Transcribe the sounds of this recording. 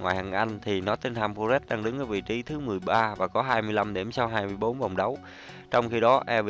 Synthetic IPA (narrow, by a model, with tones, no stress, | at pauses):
ŋwa̰ː˨jha̰ː˨˩ŋʔa˧jŋ̟t̪ʰi˨˩nɔ˨˦t̪e˧nt̪ʰa˧mfo˧zɛ˦˥t̚ɗaː˧ŋɗɨ˨˦ŋʔəː˧˩vḭ˧˨t͡ɕi˨˦t̪ʰɨ˨˦mɨ˨˩əjɓaː˧vaː˨˩kɔ˨˦ɦaː˧jmɨ˧jla˧mɗi˧˩msa˧wɦaː˧jmɨ˧əjɓo˨˦nva˨˩wŋ͡mɗə˨˦w | t͡ɕɔ˧wŋ͡mxi˧ɗɔ˨˦ʔɛ˧vi˧˨